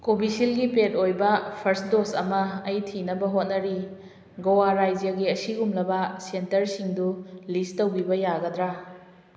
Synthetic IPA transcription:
kobisilɡipetojbɐpʰɐɾsdosɐ̰mɐɐjtʰinɐbɐɦot̚nɐɾi | ɡɐwaɾajd͡ʒjɐɡiɐsiɡumlɐbɐsentɐɾsiŋdulistɐwbibɐjaɡɐdɾa

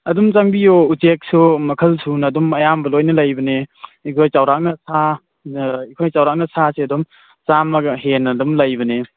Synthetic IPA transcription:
ɐdumt͡ʃaŋbijout͡ʃek̚sumɐkʰɐlsʰunɐdumɐjambɐlojnɐlɐjbɐneikʰojt͡ʃawɾak̚nɐsʰa | ikʰojt͡ʃawɾak̚nɐsaseɐdum | t͡ʃamɐɡɐɦenːɐdumlɐjbɐne

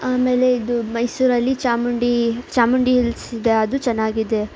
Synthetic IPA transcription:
aːme̞ːle̞id̪umɐjsuːɾɐlːit͡ʃaːmuɳɖit͡ʃaːmuɳɖiɦilsid̪e̞ɐd̪ut͡ʃɐnːaːɡid̪e̞

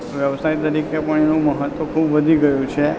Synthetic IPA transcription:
ʋjəʋsait̪əɾikepəɳenũməɦət̪ʋəkʰubʋəd̪ʱiɡəjũt͡ʃʰe

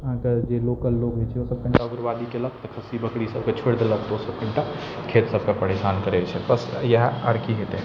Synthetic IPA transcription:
ɦãkəd͡ʒeloːkəlːoːɡɦet͡ʃʰɛosəb̚kə̃ɳʈaʊɡɾʋaːd̪ikelək̚t̪ɔkʰəsibəkɽisəb̚ket͡ʃʰeɽd̪ləkd̪osəbkəɳʈa | kʰeːt̪səb̚kapəɾesaːnkəɾet͡ʃʰɛpəsjəɦə̰ɾkiɦet̪eɦɛ̃

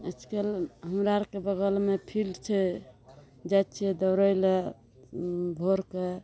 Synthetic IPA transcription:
ə̰t͡ʃʰkelɦəmɾaɾkebəɡəlmepʰilt͡ʃʰɛ | d͡ʒat̪t͡ʃʰid̪əɾəjle | bʱoɾke

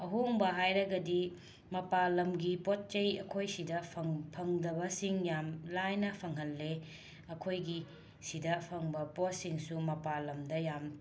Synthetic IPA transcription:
ɐɦuŋbɐɦajɾɐɡɐdi | mɐpalɐmɡipot̚t͡ʃɐjɐkʰojsidɐpʰɐŋpʰɐŋdɐbɐsiŋjamlajnɐpʰɐŋɦɐlːe | ɐkʰojɡi | sidɐpʰɐŋbɐpot̚siŋsumɐpalɐmdɐjam

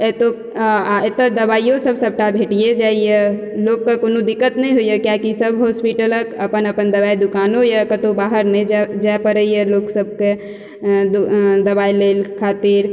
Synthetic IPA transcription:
et̪o | aet̪ːəd̪əbaːijõsəbʱsəb̚ʱʈabʱeʈijed͡ʒaije | loɡkːakonod̪ikːət̪nɛɦojəkjakisəbɦɔspiʈələkəpənəpənd̪əbaid̪ukaːnojakət̪obaɦəɾned͡ʒd͡ʒaepəɾəijeloksəb̚ʱke | d̪d̪əbailelkʰaːt̪iɾ

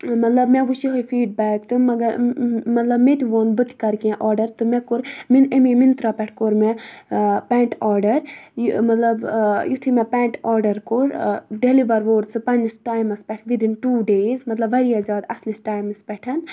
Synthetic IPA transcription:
mɐt̪lɐbmɛ̃ʋuʃiɦojfʰiːɖbɛːkt̪ɨmɐɡɐɾmɐt̪lɐbmet̪ʲiʋoːnbɨt̪i̥kɐɾkẽʔɔːɾɖɐɾt̪ɨmɛkoɾminemimint̪ɾaːpɛʈʰkoɾmɛ | pɛːɳʈaːɾɖɐɾjmɐt̪lɐbjut̪ʰimɛ̃pɛːɳʈɔːɾɖɐɾkoɾɖeliʋɐɾʋoːɾsɨpɐnd͡ʒisʈaːjmɐspʲɛʈʰʋid̪inʈuːɖeːzmɐt̪lɐbːɐɾiazʲaːd̪ɐslisʈaːjmɐspɛʈʰɐn

